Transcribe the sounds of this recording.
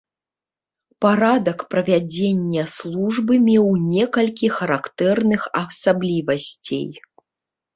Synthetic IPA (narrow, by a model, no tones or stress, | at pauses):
paɾad̪ɐkpɾɐvʲad͡zʲenʲːɛslˠuʐbɨmʲɛwnʲɛkɐlʲkʲixɐɾakt̪ɛrnɨxɐsablʲivɐsʲt͡sʲḛj